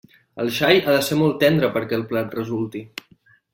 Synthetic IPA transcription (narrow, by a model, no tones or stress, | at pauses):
ə̰lˠʃajaðəsemɔlˠt̪ːɛnd̪ɾəpəɾkɛːlˠplat̪rəzulˠt̪i